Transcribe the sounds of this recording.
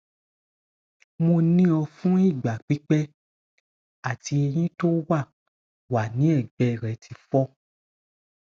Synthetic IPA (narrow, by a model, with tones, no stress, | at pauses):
mo˧nĩ˦ɔ˧fũ˦i˦˨ɡ͡ba˨k͡pi˨˦k͡pɛ˦ | a˦˨tʰi˧e˧j̃ĩ˦to˦wa˦˨ | wa˨nĩ˨˦ɛ˦˨ɡ͡bɛ˧˨ɾɛ˨˦tʰi˧fɔ˦